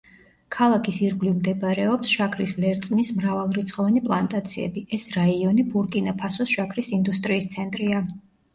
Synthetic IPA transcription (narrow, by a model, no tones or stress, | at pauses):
kʰalˠakʰisiɾɡlivmd̪ɛbɾɛɔpsʃakʰɾislɛɾt̪sʼmismɾavalˠɾit̪sʰχɔvɛnipʼlˠant̪ʼat̪sʰiɛ̰biʔɛsɾaiɔnibuɾkʼinapʰasɔsʃakʰɾisind̪ust̪ʼɾiːst̪sʰɛnt̪ʼɾia